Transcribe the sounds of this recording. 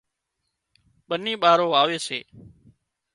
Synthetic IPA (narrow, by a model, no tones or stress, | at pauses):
ɓəniːɓaːɾoːaːʋeːsḛː